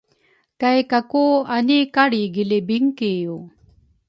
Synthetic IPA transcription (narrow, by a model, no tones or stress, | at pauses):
kajkakuanikaɽiɡilibiŋkiju